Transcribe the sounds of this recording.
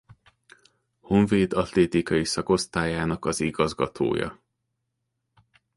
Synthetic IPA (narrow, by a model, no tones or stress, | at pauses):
ho̞ɱveːd̪ɒt̪leːt̪ikɒjisɒko̞st̪aːjaːnɒkɒziɡɒzɡɒt̪ʰo̰ːjɒ̰